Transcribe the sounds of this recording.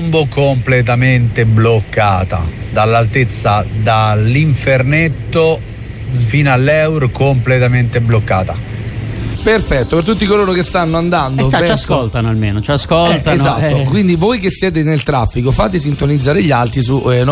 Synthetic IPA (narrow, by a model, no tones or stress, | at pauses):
mbokomplet̪̬ament̪eblokːaːt̪a̰d̪alːalt̪et̪sːad̪aliɱfeɾnet̪ːo | finalːɛwɾkomplet̪ament̪eblokːaːt̪a | perfɛt̪ːopert̪ut̪ːikoloːɾokest̪anːoand̪and̪opaskolt̪anoalmeːnot͡ʃaskolt̪aenzat̪ːokwind̪ivojkesːjɛːt̪̬enelt̪ɾafːikofaːt̪̬es̬int̪onid̪zːaːɾeʎːalt̪ɾis̬un